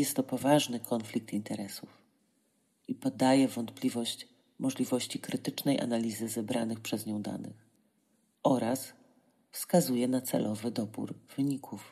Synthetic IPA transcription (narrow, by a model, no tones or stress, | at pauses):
jɛst̪ːɔpɔvaʐnɘkʰɔnflʲik̚t̪int̪ɛɾɛsuf | ipɔd̪ajɛvɔnt̪̚plʲivɔɕt͡ɕ | mɔʐlʲivɔɕt͡ɕikɾɘt̪ɘt͡ʂnɛjʔa̰nalʲizɘzɛbɾanɘxpʂɛzɲɔ̃w̃d̪a̰nɘ̰x | ʔɔɾʔas | fskazujɛnat̪sɛ̰lʔɔvɘd̪ɔbṵɾv̥ɘɲikʰuf